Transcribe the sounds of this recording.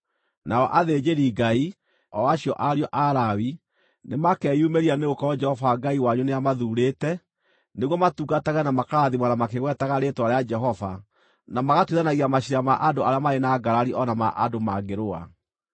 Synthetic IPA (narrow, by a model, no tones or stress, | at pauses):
naɔʔaðed͡ʒeɾiɡai | ɔaɕiɔʔaɾiɔʔaɾawi | nemakɛːjumeɾianeɣokɔɔd͡ʒɛhɔvaɡaiwaɲuneamaðuːɾeːtɛ | neɣwɔmatuɡataɣɛnamakaɾaðimwanamakeɣwɛtaɣaɾetoaɾead͡ʒɛɦɔva | namaɣatwiðanaɣiamaɕiɾamaʔadoʔaɾeamaɾenaɡaɾaɾiʔɔnama̰ʔadomaɡeɾoa̰